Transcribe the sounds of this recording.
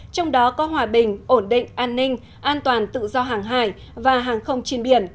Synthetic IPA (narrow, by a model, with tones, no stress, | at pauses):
t͡ɕɔ˧wŋ͡mɗɔ˨˦kɔ˨˦ɦwaː˨˩ɓï˨˩ŋ̟ʔo˧˩nɗḭ̈˧˨ŋ̟ʔaː˧nːï˧ŋ̟ | ʔaː˧nt̪waː˨˩nt̪ɨ̰˧˨zɔ˧ɦaː˨˩ŋɦaː˧˩j | vaː˨˩ɦaː˨˩ŋxə˧wŋ͡mt͡ɕi˧ənɓi˧˩ən